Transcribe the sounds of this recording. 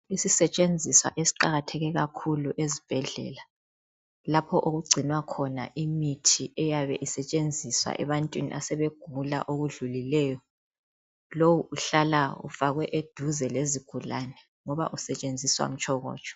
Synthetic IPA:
isisɛt͡ʃʼend͡zʱiswa̰ʔesi̥ǃaɣatʰɛɣɛɣakʰuluʔezib̥ʱɛɮɛ̰la | lapʰɔʔoɣuɡ͡ǀʱinwakʰɔna̰ʔimitʰiʔɛjaβɛʔisɛt͡ʃʼend͡zʱiswa̰ʔɛβantʼwinḭʔa̰sɛβeɡ̥ʱula̰ʔoɣuɮulilɛːjɔ | lowuuɬalaṵfaɣwɛʔed̥ʱuzɛleziɡ̥ʱulanɛ | ŋɔβa̰ʔusɛt͡ʃʼend͡zʱiswa̰m̩t͡ʃʼʰɔɣɔ̰ːt͡ʃʼɔ̥

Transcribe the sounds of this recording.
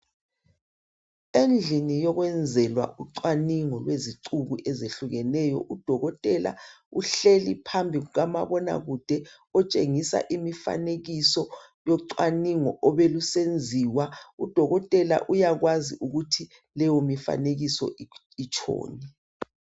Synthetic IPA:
end͡ɮʱinijɔɣwɛnd͡zʱɛlwa̰ʔuǀwaniŋɔlweziǀuɣuʔɛzeɬuɣɛnɛːjɔ̰ʔud̥ʱɔɣɔtʼɛla̰uɬelipʰambʱiɣuɣamaβɔna̰ɣud̥ʱɛ | ɔt͡ʃʼeŋisa̰ʔimifa̰neɣisɔ | jɔǀwaniŋɔʔɔβelusend͡zʱiwaud̥ʱɔɣɔtʼɛla̰ʔujaɣwaziʔuɣutʰi | lɛjomifa̰neɣisɔ̰ | it͡ʃʼʰɔ̰ːnɛ

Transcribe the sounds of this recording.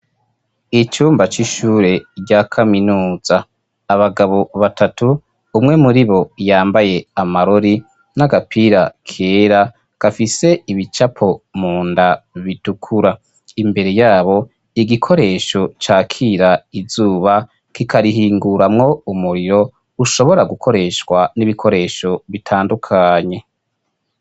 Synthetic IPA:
it͡ʃuːmbat͡ʃiʃuːɾe̞ɾɟakʰaminuːz̥aː | βaɡaβo̞βatʰatʰuː | mŋe̞muɾiβo̞jaːmbaje̞amaɾoɾi | naɡapʰiɾakʰeːɾa | ɡ̥afise̞iβit͡ʃapʰo̞muːndaβitukʰuɾa | imbe̞ɾe̞jaːβo̞ | iɡikʰo̞ɾe̞ːʃo̞t͡ʃaːkʰiɾaizuːβa | kikʰaɾiɦiːŋɡuɾamŋo̞umuɾiɾo̞ | uʃo̞βo̞ɾaɡukʰo̞ɾe̞ʃkwaniβikʰo̞ɾe̞ːʃo̞βitʰaːndukʰaːɲe̞

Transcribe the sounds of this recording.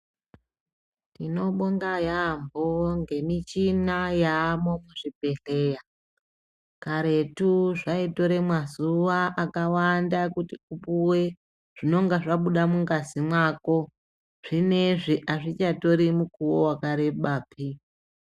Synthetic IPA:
tino̞ɓoŋɡajamboŋɡe̞mit͡ʃinajaːmomuʐibe̞ɬe̞ja | kaɾe̞tuʐaito̞ɾe̞mwazuʋaʔakawandakutiupuwe | ʐ̥ino̞ŋɡaʐaɓuɗamuŋɡazimwako̞ | ʐ̥ine̞ʐiʔaʐit͡ʃato̞ɾimukuwowakaɾeɓaːpʰi

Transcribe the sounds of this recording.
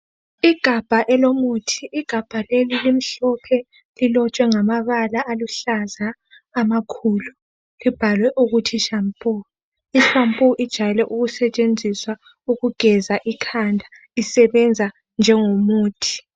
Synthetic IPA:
iɡ̥ʱab̥ʱaʔɛlomutʰiʔiɡ̥ʱab̥ʱalelilim̩ɬɔpʰɛ | lilɔt͡ʃʼwɛŋamaβalaʔːluɬazaː | makʰuːlu | lib̥ʱalwɛʔuɣutʰiʃampʼu | iʃampʼuʔid̥ʒ̥ʱajɛlɛʔuɣusɛt͡ʃʼend͡zʱiswa | uɣuɡ̥ʱɛzaʔikʰandʱa | isɛβɛnd͡zʱa | nd͡ʒʱɛŋomuːtʰi̥

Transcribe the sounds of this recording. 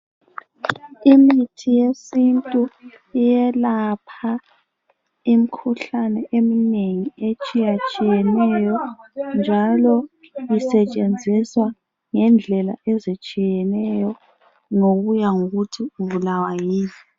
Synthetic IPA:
imitʰijesintʼu | ijɛlapʰa | im̩kʰuɬanɛʔemineŋiet͡ʃʼijat͡ʃʼijɛnɛjɔnd͡ʒʱalɔ | jisɛt͡ʃʼend͡zʱiswa | ŋɛnd͡ɮʱɛla̰ɛzit͡ʃʼijɛnɛjɔ | ŋoɣujaŋoɣutʰiuβulawajiːni

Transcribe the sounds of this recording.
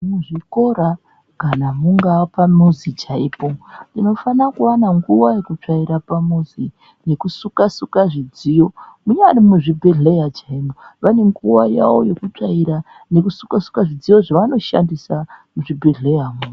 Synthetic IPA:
muʐiko̞ɾa | kanamuŋɡapamuzit͡ʃaiːpo̞ndino̞fanakuwanaŋɡuwaje̞kut͡ʂaiɾapamuzi | ne̞kusukasukaʐid͡zijo̞muɲarimuʐibʱeɮejat͡ʃaimoʋane̞ŋɡuwajawo̞je̞kut͡ʂaiɾa | ne̞kusukasu̥kaʐid͡zijo̞ʐaʋano̞ʃa̰ndisamuʐibʱeɮe̞jamun

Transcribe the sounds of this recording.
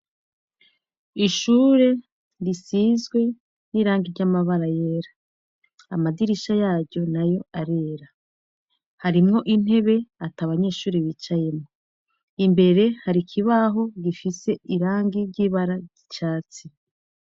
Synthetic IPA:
iʃuːɾe̞ | ɾisizɡwe̞ | niːɾaːŋɡiɾɟamaβaɾaje̞ːɾa | amadiɾiʃajaːɾɟo̞najo̞aɾe̞ːɾa | haɾimŋo̞ʔin̥e̞βe̞ataβaɲe̞ːʃuːɾiβiːt͡ʃaje̞mŋo | imbe̞ɾe̞haɾikʰiβaɦo̞ɡifise̞iɾaːŋɡiɾɟiβaɾaɟit͡ʃaːt͡si

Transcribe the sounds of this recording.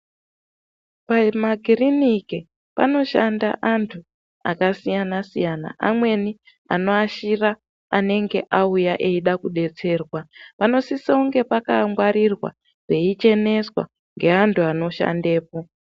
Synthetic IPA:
pamaɡʱirinike | pa̰no̞ʃanda̰ʔantʰu | a̰kasijanasijana̰ʔamwe̞ni | a̰no̞aʃira | ane̞ŋɡe̞̰ʔaujaʔe̞iɗakuɗe̞t͡se̞ːrwapano̞sisauŋɡe̞pakaŋɡwaɾirwa̰ | ʐ̥e̞it͡ʃe̞ne̞swa̰ | ŋɡe̞antʰuano̞ʃa̰nde̞ːpo̞

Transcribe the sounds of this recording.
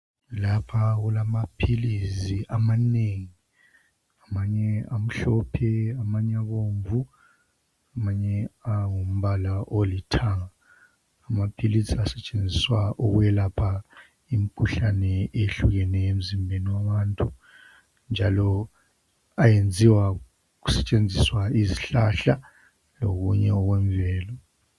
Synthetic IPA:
lapʰaɣulamapʰiliziʔamaneːŋi | amaɲɛam̩ɬɔpʰɛamaɲɛaβoːɱvu | amaɲɛaŋum̩βalaʔolitʰaŋaː | mapʰiliziasɛt͡ʃʼend͡zʱiswaʔuɣujɛlapʰa | im̩kʰuɬanɛeɬuɣɛnɛem̩zimbʱeniwaβaːntʼu | nd͡ʒʱalɔ | ajend͡zʱiwa | ɣu̥sɛt͡ʃʼend͡zʱiswaiziɬaɬa | lo̰ɣuɲɛɔɣwɛɱvɛːlɔ

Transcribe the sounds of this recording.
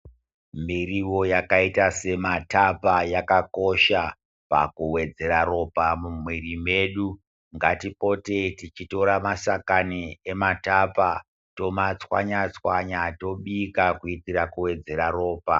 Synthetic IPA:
miriwo̞jakaitase̞matapajakako̞ʃa | pa̰kuwe̞d͡ze̞ɾaro̞pamumwerimeɗu | ŋɡatipo̞te̞tit͡ʃito̞ɾamasakaniematapa | to̞mat͡swa̰ɲat͡swaɲato̞ɓikakuitirakuwe̞d͡ze̞ɾaro̞ːpa

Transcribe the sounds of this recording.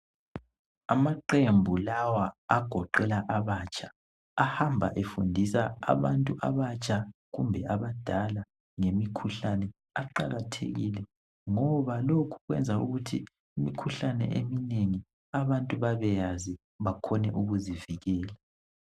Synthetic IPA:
amaǃembʱulawaːɡ̥ʱɔǃɛlaʔaβaːt͡ʃʰʼaː | hambʱa̰ʔefundʱisaa̰βantʼuʔa̰βat͡ʃʼʰaɣumbʱɛʔaβad̥ʱala | ŋemikʰuɬanɛ | aǃaɣatʰḛɣḭlɛ | ŋɔβalokʰu̥ɣwɛ̰nd͡zʱaṵɣutʰḭ | imikʰuɬanɛ̰ʔemineŋi | aβantʼuβaβɛjazi | βakʰɔnɛʔuɣuziviɣɛːla

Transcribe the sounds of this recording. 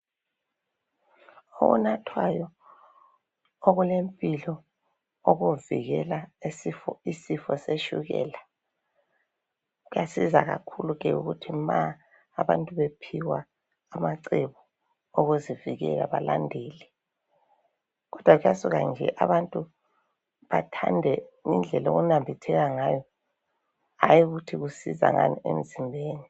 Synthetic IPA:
o̰ɣṵnatʰwajɔ | oɣulempʼilɔ | oɣuvḭɣɛlaesifɔisifɔseʃṵɣɛ̰ːla | ɣujasizaɣa̰kʰuluɣɛṵɣutʰimaː | βantʼuβepʰiwaː | maǀɛβɔ | oɣuziviɣɛ̰ɣa̰βalandʱeːlɛ | ɣɔd̥ʱwaɣujasuɣand͡ʒʱɛ̰ʔaβantʼu | βatʰandʱɛŋind͡ɮʱɛloɣunambʱitʰɛɣaŋaːjɔ | ajuɣutʰiɣusiza̰ŋaniem̩zimbʱeːni

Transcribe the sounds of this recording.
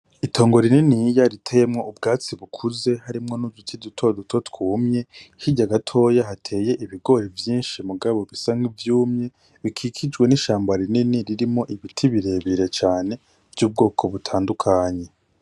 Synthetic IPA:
itʰo̞ːŋɡo̞ɾininijaɾitʰejemŋo̞ʔubɡaːt͡siβukʰuze̞haɾimŋo̞nudutʰidutʰo̞dutʰo̞tkuːmɲe̞hiɟaɡatʰo̞jaɦatʰe̞ːje̞ʔiβiɡo̞ɾevjiːnʃimuɡaβo̞βisaŋɡivjuːmɲe̞ | βikʰikʰid͡ʒɡwe̞niʃaːmbaɾininiɾiɾimŋo̞ʔiβitʰiβiɾe̞ːβiɾe̞t͡ʃaːne̞ | v̥juːb̚ɡo̞ːkʰo̞βutʰaːndukʰaːɲe̞

